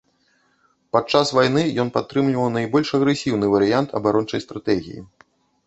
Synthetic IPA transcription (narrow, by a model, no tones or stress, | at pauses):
pat͡ʂːasvajnɨjɔnpat̪ːɾɨmlʲivɐwnajbɔlʲʂɐɣɾɛsʲiwnɨvɐɾɨjant̪ʰɐ̰baɾɔnt͡ʂɐ̰jst̪ɾat̪ɛɣʲḭjḭ